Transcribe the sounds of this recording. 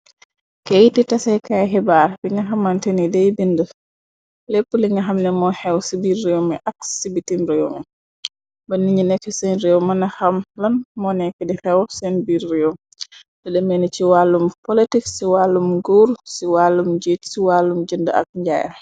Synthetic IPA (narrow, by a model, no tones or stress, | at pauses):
kejititasɛjkajɦɛbaɾbiŋɡaɦamːantenidɛjbində | lepːuliŋɡaɦamnɛmɔhɛwsibiɾːijomɛʔaksibitimɾɛjomɛ | banːiɲinefisɛnɾɛwmanahamlanmɔnɛkɛdɛhɛwsɛnbiɾːijɔ | dɛɗɛmenit͡ʃiwalːumpolitiksiwalːumɡuɾsiwalːumd͡ʒitsiwalːumd͡ʒəndaa̰k̚ɲd͡ʒa̰ja̰